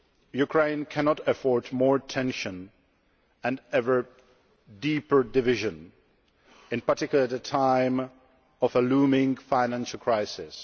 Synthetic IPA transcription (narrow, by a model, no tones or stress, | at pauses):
jukʰɹ̥ẽɪ̃nkʰænɔtəfɔɹtmɔɹtʰɛ̃nʃə̃n | ɨ̃nɛvə˞ | dipə˞dɪvɪʒɨ̃n | ɨ̃npə˞tɪkjl̩ˠətðətʰãɪ̃m | ɔvəlũmɪ̃ŋfaɪnæ̃nʃəl̩ˠkʰɹ̥aɪsɪs